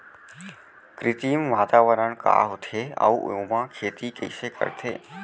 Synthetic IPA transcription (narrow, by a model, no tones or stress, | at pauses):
kɾɪt̪imʋaːt̪aʋəɾəɳ̃ka̰ɦot̪ʰea̰uʔemãkʰeːt̪ikəjsekə̰ɾt̪ʰeː